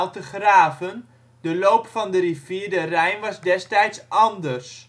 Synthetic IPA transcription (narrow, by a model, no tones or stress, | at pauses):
lˠtəχraːvən | dəlowpfɑndəriv̥iːrdərɛjnʋɑzdɛstɛjtsʔɑndərs